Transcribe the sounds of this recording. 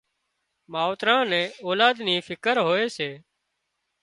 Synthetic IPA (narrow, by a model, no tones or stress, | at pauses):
maːt̪ɾãːnɛ̃ːoːlaːd̪niːfʰɪkəɾɦoːeːseː